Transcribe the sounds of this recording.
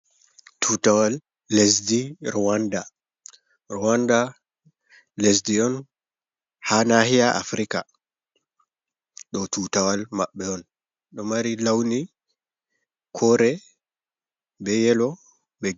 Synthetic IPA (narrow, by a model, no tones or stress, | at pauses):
tʰuːtawalː | es̬diɾɔwanda | ɾɔwanda | les̬diɔn | hanahijaʔa̰fɾika | ɗɔtuːtawalmaɓːɛɔn | ɗɔmaɾilawni | kʰɔɾɛ | bɛjɛlɔ | bɛ